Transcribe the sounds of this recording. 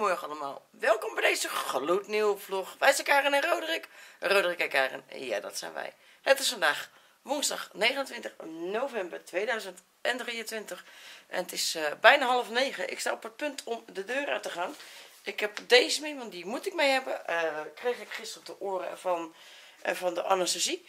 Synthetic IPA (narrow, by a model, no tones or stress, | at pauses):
mɔɹəɑlˠəma̰ːlˠ | ʋɛlˠkɔmbɛjdejzəxlutniwfloxʋɛjsəkaːrənɛnrowdərɪkrowdərɪkɛkaːrə̰n̰ja̰dɔ̰tsɛ̰jnʋɛ̰j | hətɪsfɔndaːx | ʋʊnzdɑ̰xneːɣənəntʋɪ̃ntənoːvɛmbərtʋeːdœɥzənt | ɛndriərəntʋɪntəxʔɛ̰nətɪsbɛjnaɦɔlˠəfneːɣəʔɪ̰kstaːopət̚pøntʰɔmdədøːɾœ̰təχaːnʔɪkhɛp̚deːzəmɪmɔntdimutɪk̚mejɦɛbəkrejxɪkχɪstərətəʔoərəɛ̰fɔn | vɔndəʔa̰nastəsi